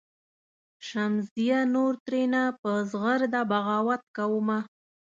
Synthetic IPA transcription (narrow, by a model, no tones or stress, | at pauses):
ʃamzd̪ijanoɾt̪ɾenapəzɣəɾd̪abaɣɑwat̪̚kawəma